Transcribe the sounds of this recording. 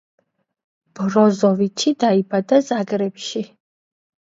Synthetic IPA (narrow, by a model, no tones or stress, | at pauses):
b̥ɾɔzɔvit͡ʃʰid̪aibad̪azaɡɾɛpʃi